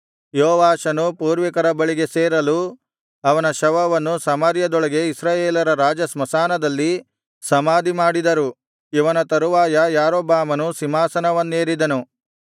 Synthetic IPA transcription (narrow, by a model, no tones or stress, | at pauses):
jɔɔːʋaːʃɐnupuːɾʋikɐɾɐbɐɭiɡe̞seːɾɐlu | ɐʋɐnɐʃɐʋɐʋɐnːusɐmɐɾjɐd̪ɔɭɐɡe̞isɾaːjeːlɐɾɐɾaːd͡ʒɐsmɐsaːnɐd̪ɐlːi | sɐmaːd̪ʱimaːɽid̪ɐɾu | iʋɐnɐt̪ɐɾuʋaːjɐjaːɾoːbaːmɐnusimaːsɐnɐʋɐnːeːɾid̪ɐnu